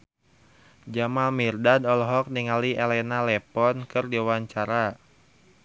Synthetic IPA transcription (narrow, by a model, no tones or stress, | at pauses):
d͡ʒamalmirdadɔlɔɦɔk̚niŋaliʔelɛnalɛpɔnkɨrdiwaɲt͡ʃaɾa